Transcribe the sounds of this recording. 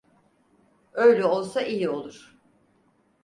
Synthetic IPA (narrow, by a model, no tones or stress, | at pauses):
ø̞jlʲɛo̞lˠsaʔijio̞lˠuɾ̥